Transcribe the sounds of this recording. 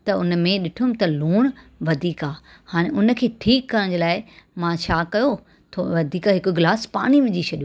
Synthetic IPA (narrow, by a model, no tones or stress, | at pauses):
t̪ɐʊnmẽɗɪʈʰumt̪ɐluːɽ̃ʋɐd̪ʱiːkaː | haːɽ̃ẽʔʊnə̆kʰeːʈʰiːkːɐɾəɽ̃d͡ʑelaːɪmãt͡ɕʰaːkɐjo | t̪ʰo̰ːʋɐd̪ʱiːkaɦɪkoɡɪlaːspa̰ːɽ̃iʋɪd͡ʑit͡ɕʰɐɗio